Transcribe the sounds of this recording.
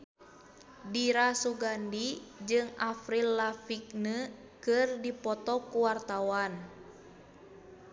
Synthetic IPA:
diɾasuɡandid͡ʒɨŋafɾilafik̚nə | kɨrdipɔt̪ɔkuwart̪awan

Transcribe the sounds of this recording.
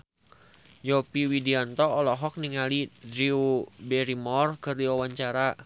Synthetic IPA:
d͡ʒɔpiwidiɔnt̪ɔːlɔɦɔk̚niŋalid̪ɾiubɛɾimɔrkɨrdiwawaɲt͡ʃaɾa

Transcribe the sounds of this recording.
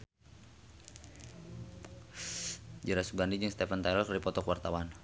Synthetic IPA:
d͡ʒəɾasuɡandid͡ʒɨŋst̪ɛfənt̪ajlɔkdipɔt̪ɔkwart̪awan

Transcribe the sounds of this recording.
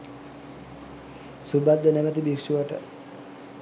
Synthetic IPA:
subad̪ːənæʋət̪ibikʂuʋəʈə̰

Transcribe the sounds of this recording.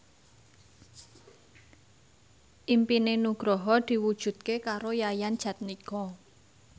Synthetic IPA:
ʔimpinenuɡ̥ɾɔɦɔd̪̥i̤wud̥ʒ̥ṳt̪̚kekaɾojajandʒ̥ä̤t̪̚nikɔ

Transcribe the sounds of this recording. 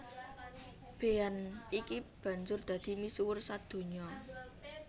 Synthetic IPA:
b̥e̤anikib̥a̤nd͡ʒʊrd̪̥ä̤d̪̥i̤misuwʊrsad̪̥o̤ɲɔ

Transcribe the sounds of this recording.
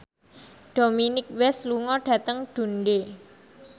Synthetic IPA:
ɖ̥o̤minɪk̚wɛsluŋɔɖ̥ä̤t̪əŋɖ̪̥ṳnɖe

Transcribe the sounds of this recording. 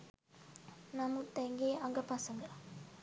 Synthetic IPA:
nɐmut̪ɛŋɡeɐŋɡɐpaːsɐŋɡɐ

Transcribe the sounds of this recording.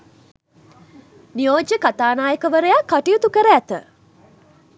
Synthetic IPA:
nijoːd͡ʒəkat̪aːnaːjəkəʋəɾəjakːaʈijət̪ukəɾəæt̪ə

